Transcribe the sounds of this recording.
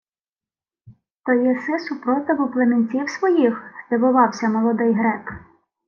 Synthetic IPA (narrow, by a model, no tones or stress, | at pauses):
t̪ɔjɛsɪsʊpɾɔt̪ɪɦʊplˠemenʲtʲiwsʋɔjixst̪ɪʋʊʋɑwsʲɐmɔlˠɔd̪ɪjɦɾɛp